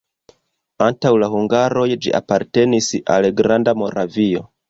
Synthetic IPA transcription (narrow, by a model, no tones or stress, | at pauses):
antawlahuŋɡaɾo̞jd͡ʒḭʔa̰paɾte̞nisa̰lɡɾandamo̞ɾavio̞